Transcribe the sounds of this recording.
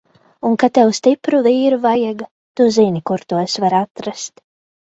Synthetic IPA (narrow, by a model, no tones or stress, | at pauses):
unkat̪ɛwst̪ipɾuviːɾuvajaɡa | t̪uzinʲikuɾt̪uɔesvaɾat̪ɾast̪